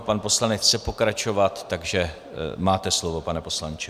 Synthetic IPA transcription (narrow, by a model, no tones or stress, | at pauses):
panpo̞slanɛt͡sɛpo̞kɾat͡ʃo̞vat̪ːaɡʒɛ | maːt̪ɛslovo̞panɛpo̞slant͡ʃɛ